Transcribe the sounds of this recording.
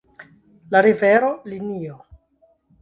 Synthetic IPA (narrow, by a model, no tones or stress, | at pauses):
laɾiveɾolinio